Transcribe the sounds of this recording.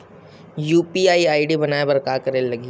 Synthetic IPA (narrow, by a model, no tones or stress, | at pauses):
juːpiaːiaːiɖibɐnaːebɐɾkaːkɐɾeːllɐɡi